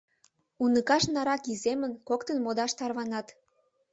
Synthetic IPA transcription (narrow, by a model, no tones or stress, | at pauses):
unəkɑʃnɑɾɑkizemənkokt̪ənmod̪ɑʃt̪ɑrβɑnɑt̪